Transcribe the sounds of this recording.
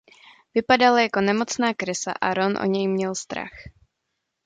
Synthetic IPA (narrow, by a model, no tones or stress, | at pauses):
vɪpadalajako̞nɛmo̞t͡snaːkɾɪsa̰ʔaɾonʔo̰ɲɛjmɲɛlst̪ɾa̰x